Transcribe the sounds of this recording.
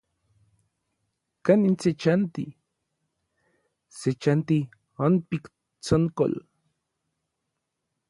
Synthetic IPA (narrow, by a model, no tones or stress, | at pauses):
kanint͡set͡ʃant̪ḭ | set͡ʃant̪i | anpik | t͡soŋko̰l